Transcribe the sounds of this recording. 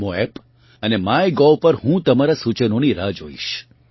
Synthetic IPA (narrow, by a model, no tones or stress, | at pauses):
moep | ənemajɡɔpəɾhũt̪əmaɾasut͡ʃənoniɾad͡ʒoḭʃ